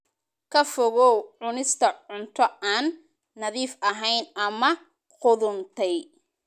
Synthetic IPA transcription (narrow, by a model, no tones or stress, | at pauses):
kʰɐfɔɣɔwʕʊnɪst̪ʰɐʕʊnt̪ʰɔaːnː | ɐðiːfʔɐɦɛjnɐmɐ | qʊðʊnt̪ʰɛj